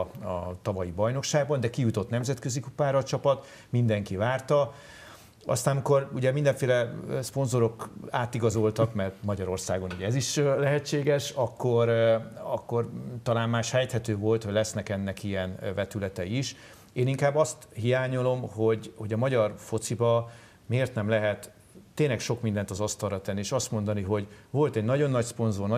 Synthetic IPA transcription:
ɒ̰t̪ɒvɒjibɒjno̞kʃaːɡ̚bɒnd̪ɛkijut̪o̞t̪nɛmzɛt̪kø̞zikupaːɾɒːt͡ʃɒpɒt̪ | mind̪ɛŋkivaːrt̪ɒ | ɒ̰st̪aːnmiko̞ruɟɛmind̪ɛɱfeːlɛsponzo̞ɾo̞kaːt̪iɡɒzo̞lt̪ɒkmɛrt̪mɒɟɒɾo̞rsaːɡo̞nuɟɛɛziʃlɛɦɛt͡ʃːeːɡɛʃɒkːo̞ɾɒkːo̞rt̪ɒlaːnmaːʃhɛjt̪hɛt̪øːvo̞lt̪hoɟlɛsnɛkɛnːɛkijɛnvɛt̪ylɛt̪ɛiʃ | eːniŋkaːbːɒst̪hijaːɲo̞lo̞mɦo̞ɟho̞ɟɒmɒɟɒrfo̞t̪sibɒ | meːrt̪nɛmlɛɦɛt̪ː | eːɲnlɛkʃo̞kmind̪ɛnt̪ɒzɒst̪ɒlrɒt̪ɛnːieːʃɒst̪mo̞nd̪ɒniɦo̞ɟvo̞lt̪ɛɟnɒɟo̞nːɒcspo̞nzornɒ

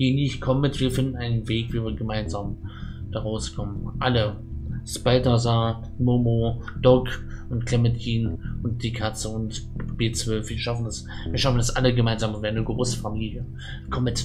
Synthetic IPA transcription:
jenɪçkʰɔmətv̥iːɐfɪndn̩aɪnənveːkv̥iːviːɐɡəmaɪnzaːmd̥aʁaʊskʰɔmənʔalə | spaɪtaza | moːmod̥ɔkʔʊntkʰlɛmətʰiːnʔʊnt̚d̥iːkʰat͡səʊntb̥eːt͡sv̥œlfv̥iːɐʃafn̩das | viːɐʃafn̩dasʔaləɡəmaɪnzaːməvɛɐnəɡʁoːsə̥famiːljə | kʰɔmət

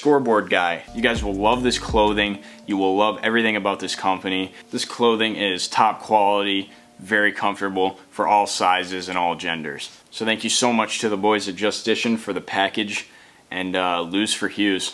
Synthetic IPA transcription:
skɔɹbɔɹd̚ɡaɪjɨɡaɪzwəlˠlʌvðɪskʰl̥oʊðɪ̃ŋ | jɨwɪlʌvɛvɹiθɪ̃ŋɨbaʊt̪̚ðɪskʰʌ̃mpɨni | ðɪskʰl̥oʊðɪ̃ŋɪz̥tʰɑp̚kʰw̥ɑlˠəɾi | vɛɹikʰʌ̃ɱftə˞bl̩ˠfə˞ʔɔlˠsaɪzɨzɨ̃ñɔlˠd͡ʒɛ̃ndə̰˞z̥ | soʊθæ̃ŋkjɨsoʊmʌt͡ʃtʰɨðəbɔɪzɨd͡ʒʌstɪʃɨ̃nfə˞ðɨpʰækɨd͡ʒ | ʔɨ̃nʌlʉz̥fə˞hjʉz̥

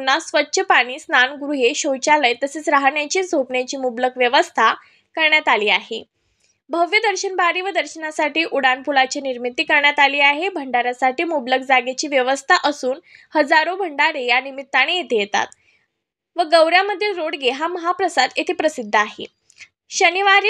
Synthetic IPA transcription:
nːasʋətːɕʰəpaɽ̃iːsnanɡɾuɦeɕot͡ɕaləjt̪əseːt͡sɾaɦɳjat͡ɕiːd͡zʱopɳjat͡ɕiːmubləkʋjəʋəst̪ʰa | kəɾɳjat̪aliːaɦḛ | bʱəʋjəd̪əɾɕənbʱaɾiːʋəd̪əɾɕənasaʈiːʔuɽanpulat͡ɕiːniɾmit̪ːiːkəɾɳjat̪aliːaɦebʱəɳɖaɾjasaʈiːmubləkd͡zaɡet͡ɕiːʋjəʋəst̪ʰaʔəsuːnhəd͡zaɾobʱəɳɖaɾejanimit̪ːaɽ̃ejet̪ejet̪a̰t̪ | ʋəɡəwɾjaməd̪ʱːiːlɾoɽɡeɦaməɦapɾəsad̪et̪ʰiːpɾəsid̪ʱːəaɦḛ | ɕəniʋaɾiː

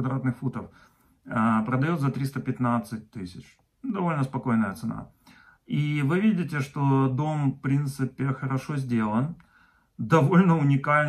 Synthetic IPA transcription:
d̪ɾat̪nɨxfut̪əf | əpɾəd̪ɐjo̞t̪zɐt̪ɾʲist̪əpʲɪt̪nat̪sɨt̚ʲt̪ɨsʲɪt͡ɕ | d̪ɐvo̞lʲnəspɐko̞jnəjət̪sɨna̰ | ivɨvʲidʲɪt̬ʲɪʂt̪o̞d̪o̞mfpɾʲint̪sɨpʲɪxəɾɐʂo̞zʲdʲe̞lˠən | d̪ɐvo̞lʲnəʊnʲɪkalʲn

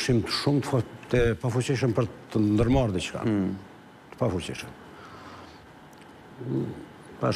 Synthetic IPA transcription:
ʃimt̪ʃumt̪ət̪əpafut͡ɕiʃ̬əmpəɾt̪ːənnd̪əɾmaɾd̪it͡ʃka̰ | t̪ə̥pafut͡ɕḭʃəm | pa̰

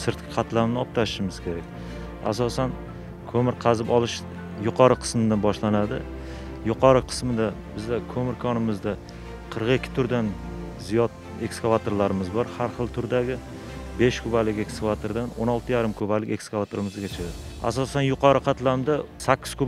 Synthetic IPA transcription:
sɪɾt̪kʰʲɪ̥qʰɑt̪lamnɪɒp̚t̪ʰaʃɪ̥ʃɪmɪz̥kʲʰe̞ɾakʲ | a̰sɒsan | kʰɵmɪɾqʰɑzɪpɒlˠɪʃ | jʊqʰɒɾɨqʰɨ̥smɪd̪abɒʃlanad̪ɪ | jʊqʰɒɾɪqʰɨ̥smɪd̪abɪzd̪akʰɵmɪɾkʰɒnɪmɪzd̪a | qʰɨɾqekʲʰːɪ̥t̪ʰʊɾd̪anzijɒt̪̚ | e̞kskavat̪ʰoɾlaɾɪmɪzbɒɾhaɾχɨlˠt̪ʰʊɾd̪aɡʲɪ | be̞ʃkʰʊbalɪkʲe̞kskavat̪ʰoɾd̪anonɒlˠt̪ʰɪjaɾɪmkʰɵbalɪkʲe̞kskavat̪ʰoɾɪmɪzɡʲat͡ʃʰaa̰sɒsanjʊqʰɑɾɨqʰɑt̪lamd̪asakʲːɪz̥kʰɵb

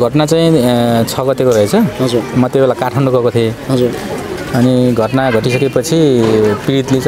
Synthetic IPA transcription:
ɡʱʌʈnat͡saĩt͡sʰʌɡʌt̪ekoɾʌɦet͡sʰʌɦʌd͡zuɾmʌt̪jobelakaʈʰʌɳɖoɡʌkot̪ʰieɦʌd͡zuɾ | ʌniɡʱʌʈnaɡʱʌʈisʌkepʌt͡sʰipiɾit̪li

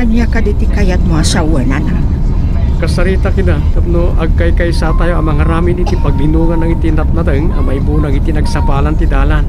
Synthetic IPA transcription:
ɐɲakɐd̪it̪ɪkajɐt̪̚moasawɛnana | kɐsɐɾiːt̪akɪnat̪ɐp̚noʔɐɡ̚kɐjkɐisat̪aːjoʔɐmɐŋɐɾaːmɪnit̪ipɐɡ̚lɪnuːŋɐnːɐŋit̪ɪnɐp̪̚nɐt̪əŋɐmɐibunɐŋɪt̪inɐɡsɐpaːlɐnt̪ɪd̪aːlan

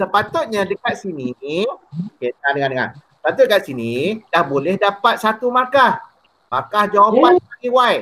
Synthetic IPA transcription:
səpat̪ʊt̪̚ɲadəkat̪̚sini | okedəŋandəŋandəŋa̰nsə̥pat̪ʊt̪̚dəkat̪̚sinidahbolɛhdapat̪̚sat̪umakah | makahd͡ʒawapanaŋiwaj

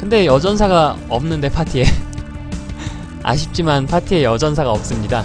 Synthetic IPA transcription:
kɯnde̞jʌd͡ʑʌnsʰaɡaʌmnɯnde̞pʰatʰie | a̰ɕʰip̚t͡ɕ͈imanpʰatʰie̞jʌd͡ʑʌns̬ʰaɡaʌp̚s͈ɯmɲida

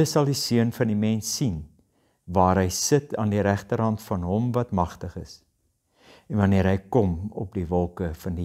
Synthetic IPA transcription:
əsɐlˠdisiənfɐndimɛnsːin | vɑːɾɦəjsətʰɑːndiɾæχtərɦɐntfɐnɦɔmvɐtmɐχtəχəs | ɛnvɐniəɾɦəjkɔmɔ̰p̚divɔlˠkəfɐndi

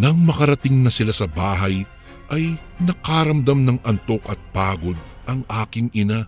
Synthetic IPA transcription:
nɐŋmɐkɐɾɐt̪ɪŋnɐsɪlasɐbaːɦɐj | ʔɐj | nɐkaɾɐmd̪amnɐŋɐnt̪o̞kɐt̪̚paːɡo̞d̪̚ | ʔɐŋʔaːkɪŋɪna

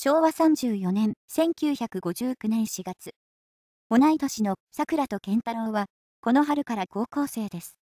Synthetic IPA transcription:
ɕo̞ːβasãɲ̟d͡ʑɨːjo̞nẽ̞ɰsẽ̞ŋkʲɨːçakɯ̟ɡo̞ʑɨːkɯ̟nẽɰ̃ɕiɡat͡sɨ | o̞nait̪o̞ɕino̞sakɯ̟ɾat̪o̞kẽ̞nt̪aɾo̞ːβa | ko̞no̞ɦaɾɯ̟kaɾaɡo̞ːko̞ːse̞ːd̪e̞sɨ̥

